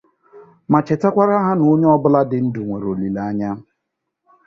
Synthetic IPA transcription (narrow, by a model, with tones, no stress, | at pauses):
ma˨t͡ʃe˨ta˦kʷa˦ɾa˦ɦa˦no˨˦ɲe˦ɔ˦bʊ˦la˦dɪ˦n̩˦du˨ŋʷe˨ɾo˨li˨la˨a˦ɲa˦